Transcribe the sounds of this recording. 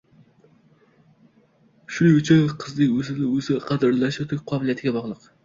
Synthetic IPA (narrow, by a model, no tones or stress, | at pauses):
ʃuyt͡ʃʰɪnqʰəzd̪ɪkʲøzɪd̪ɪøzɪqʰɑd̪ɨɾlˠɑʃɨt̪ʰɪk̚ʲqʰɑːbɪlˠijɛt̪ʰɡʲɛbɑʁlˠəq